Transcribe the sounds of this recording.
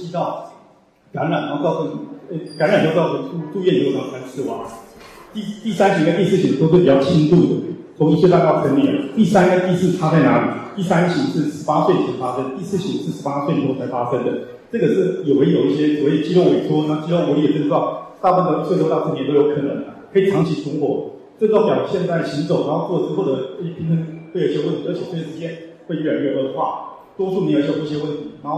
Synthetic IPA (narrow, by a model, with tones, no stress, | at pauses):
t͡ɕi˥t̪ɑ˥˩ʊ | ka˧˥nɻa˨˩njʊkɑ˥˧ʊə˥˩ŋn˨˩e˥˩ka˧˥nɻa˨˩njo˥˧˥kt̪u˥˧t̪u˥˧jɛ˥˧nt͡ɕo˥˩ɑ˥˩a˥ns̩˥˩wɑ̰˥˩˦ | i˥˩t̪i˥˩sa˥nɕʰi˨˧˥ŋ˥˧t̪i˥˧sɹ̩˥˩ɕi˨˩d̪ʂ̬ɻ̩˥˩pi˨˩t͡ɕjɑ˥˩t͡ɕʰi˥ŋt̪u˥˩d̪ə̰˩t͡sʰʊ˧˥ŋi˥˩ɕjɛ˥pa˥˧ka˥˩ə˩ʂʰə˥nmjɛ̰˨˧˥nt̪i˥˩sa˥n˥ŋa˥˧ɪt̪i˥˧sɹ̩˥˩ʈ͡ʂʰa˥t͡sa˥˩ɪna˧˥lḭ˨˩t̪i˥˩sa˥˦nɕi˨˩ʂɻ̩˥˩ʂɻ̩˧˥pa˥swe˥˩ɪ˩t͡ɕʰi˧˥ŋfa˥ʂə˥nə˧t̪i˥˧sɹ̩˥˩ɕi˨˥˩ʂɻ̩˥˩ʂɻ̩˧˥pa˥swe˥˩ɪnʰ˨˥o˥˩t͡sʰa˧˥ɪfa˥ʂə˥ŋd̪ə˨ | ʈ͡ʂɤ˥˩ɡə˩ʂɻ̩˥˩jo˨˩ʊwe˧˥jo˨˩ʊi˥˩ɕjɛ˥sɔ˨˩we˥˩ɪd̪ə˩t͡ɕi˥lwo˥˩we˨˩ɪʈ͡ʂʰwɔ˥na˧˥˩t͡ɕi˥˧lɔ˥˩ŋwɔ˧˥jɛ˨˩ə˥˧ʈ͡ʂ̩̪˥ɑ˥˩ʊt̪a˥˧wa˥˧nd̪ə˧˩˥swe˥˧o˥˧ɑ˥˧˩fə˥njɛ˧˥n˥ʊjo˧˥kʰɤ˨˩nə˧˦ŋ | kʰɤ˥i˨˩ʈ͡ʂʰɑ˧˥ŋt͡ɕʰi˧˥sʰə˧˥ŋxwɔ˧˥ | ʈ͡ʂə˥˧˥ɑ˥˩pjɑ˨˩ʊ˩ɕjɛ˥˧nt͡sa˥˩ɪɕi˧˥ŋt͡so˨˩ʊna˧˥xo˥˧ʊwɔ˥˩t͡s̩˥xo˥˩ʊd̪ə˩˥˩pʰi˧˥ŋt̪ʰə˥nxwe˥˩ɪo˧˩˥ɕjɛ˥wə˥˩nt̪ʰi˧˥ə˧˥t͡ɕʰɛ˨˩ə˥˩ɛ˥˩ʂɻ̩˧t͡ɕjɛ˥n | we˥˧ɪy˥˩ɛ˨˩nɥɛ˥˧n˧˥˩d̪ə˧xwa̰˥˩ | t̪wɔ˥ʈ͡ʂʰu˥˩ni˧˥jjɕjɛ˥wə˥˩nt̪ʰi˧˥nɑ˧˥xo˥˩